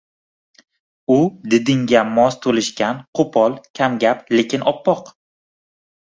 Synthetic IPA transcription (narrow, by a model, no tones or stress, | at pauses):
ʊd̪ɪd̪ɪŋɡʲamɒst̪ʰolɪʃkʲanqʰopʰɒlˠkʲʰamɡʲaplekʲɪnɒpʰːɒq